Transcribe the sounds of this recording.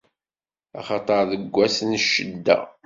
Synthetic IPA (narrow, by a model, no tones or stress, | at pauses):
ɑ̰χɑt̪ˤɑɾˤðəɡʷːæsənʃːəd̪ːæ̰